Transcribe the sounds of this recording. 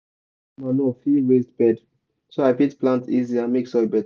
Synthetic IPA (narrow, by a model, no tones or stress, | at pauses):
manofiɹesdbɛd | soaɪfitplãntiziãmeksɔbɛt